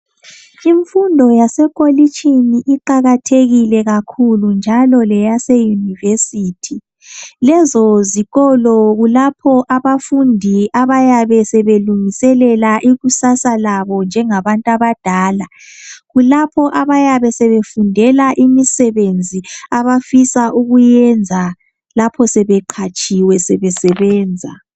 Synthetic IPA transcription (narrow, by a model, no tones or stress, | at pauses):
iɱfundʱɔjasɛkʼolit͡ʃʼiniʔiǃaɣatʰeɣilɛɣakʰulund͡ʒʱalɔlɛjasejunivesiːtʰi | lɛzɔziɣɔlɔɣulapʰɔʔaβafundʱiaβajaβɛsɛβeluŋisɛlɛlaʔiɣusasalaβɔnd͡ʒʱɛŋaβantʼaβad̥ʱaːla | ɣulapʰɔʔaβajaβɛsɛβefundʱɛlaʔimisɛβend͡zʱiaβafisaʔuɣujɛnd͡zʱa | lapʰɔsɛβɛǃʰat͡ʃʼiwɛsɛβɛsɛβɛːnd͡zʱa̰